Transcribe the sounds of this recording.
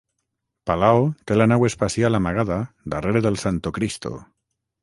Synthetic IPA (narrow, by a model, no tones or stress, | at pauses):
palaot̪elanawespasjalamaɣ̞aða | d̪areɾeðelsant̪okɾist̪o̰